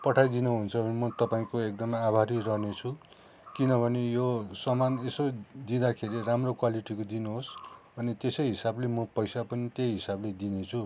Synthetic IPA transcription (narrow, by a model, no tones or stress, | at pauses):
pʌʈʰajd̪inuɦunt͡sʰʌbʱʌnemʌt̪ʌpaĩkoek̚d̪ʌmaabʱaɾirʌɦnet͡sʰu | kinʌbʱʌnejosʌmanesod̪id̪akʰeɾiramrokwaliʈikod̪inuɦos | ʌnit̪esʌjɦisablemʌpʌjsapʌnit̪ejɦisabled̪inet͡sʰu